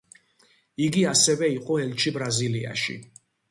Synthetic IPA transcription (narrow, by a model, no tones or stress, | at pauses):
iɡiasɛvɛiqʼɔɛlt͡ʃʰibɾazilia̰ʃḭ